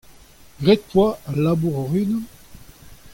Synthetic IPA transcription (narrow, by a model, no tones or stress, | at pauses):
ɡʁɛt̪̚pwaalabuʁɔʁyn